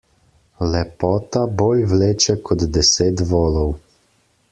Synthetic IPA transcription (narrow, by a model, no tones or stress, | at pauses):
lɛpɔːt̪aboːljʋleːt͡ʃɛkʰɔd̪d̪ɛseːt̪ʋɔːlɔw